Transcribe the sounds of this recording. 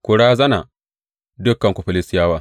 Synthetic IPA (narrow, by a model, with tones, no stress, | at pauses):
kʷʊ˨ɽaː˦zɐ˦na̰˨ | dʊ˦kːɐ˨ŋkʷʊ˨ɸɐ˨lɪ˦sɪ˦jaː˦waː˦